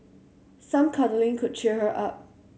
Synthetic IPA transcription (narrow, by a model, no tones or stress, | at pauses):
sʌ̃mkʰʌnlɪ̃ŋkʰʊd̚t͡ʃʰihəʔʌp̚